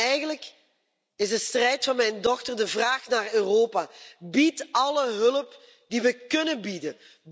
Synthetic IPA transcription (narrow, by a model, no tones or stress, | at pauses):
ɛjɣənlək | ɪzdəstrɛjtfɑnmɛjndɔxtərdəvraːxnaːrøːroːpaːbitɑləɦɵləp | diʋəkɵnənbidə